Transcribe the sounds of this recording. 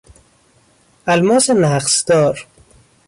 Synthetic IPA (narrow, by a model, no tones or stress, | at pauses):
ælmɒːsenæqsd̪̥ɒːɾ